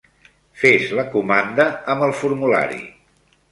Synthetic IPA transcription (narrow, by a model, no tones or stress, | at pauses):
feʃləkumand̪əəmbəlˠfuɾmula̰ɾḭ